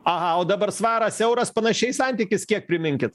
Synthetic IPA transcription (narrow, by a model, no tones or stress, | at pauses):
ɐɦɑoːd̪ɐbɐɾsʋɑːɾɐsʲɛʊɾɐspɐnɐʃʲɛɪsɑnʲt̪ʲikʲɪskʲiɛk̚pʲɾʲɪmʲɪŋʲkʲɪt̪